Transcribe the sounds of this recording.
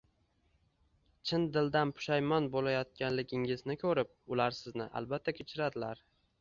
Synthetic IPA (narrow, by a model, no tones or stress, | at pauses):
t͡ʃʰɪnd̪ɪld̪anpʰʊ̥ʃajmɒnbolajɒt̪̚kʲanlɪɡʲɪŋɪznɪkʰɵɾɪp̚ʊlaɾsɪznɪʔa̰lˠbat̪ʰːakʲʰet͡ʃʰɪɾad̪ɪlaɾ